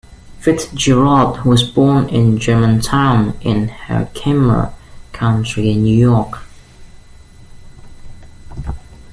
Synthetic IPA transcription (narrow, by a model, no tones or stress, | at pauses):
fɪtd͡ʒɛɹɑdwɒzbɔːnɪ̃nd͡ʒɜːmə̃ntʰãʊ̃nɪ̃nhə̰kʰɪ̃mə̰kʰãʊ̃nt͡ʃɹ̥iɪ̃nːjʉjɔˑk